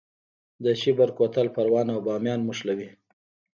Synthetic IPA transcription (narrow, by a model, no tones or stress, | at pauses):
d̪əʃibaɾkot̪alpaɾwɑnawbɑmjɑnmʊʂlawi